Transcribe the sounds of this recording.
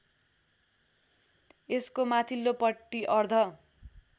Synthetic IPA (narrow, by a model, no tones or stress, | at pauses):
eskomat̪ʰilːopʌʈːiʔʌrd̪ʱʌ